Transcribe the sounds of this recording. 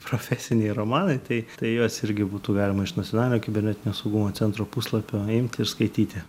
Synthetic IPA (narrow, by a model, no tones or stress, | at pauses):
pɾoːfʲæːsʲɪnʲɛɪɾoːmɑːnɐɪt̪ɐɪt̪ɐɪjoːsɪɾʲɡʲɪbuːt̪uːɡɑːlʲɪmɐɪʃnɐt̪t͡sʲsʲonɑːlʲɪnʲoːkʲɪbʲɛɾnʲɛt̪ʲɪnʲoːsɐʊɡumoːt̪t͡ssʲɛnt̪ɾoːpuslˠɐpʲoːɪmʲt̪ʲɪɾskɐɪt̪ʲiːt̪ʲɪ